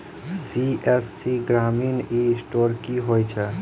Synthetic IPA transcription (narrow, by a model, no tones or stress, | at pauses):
siʔɛsːiɡɾaːmiːnisʈoːɾkiɦoːjt͡ʃʰɛ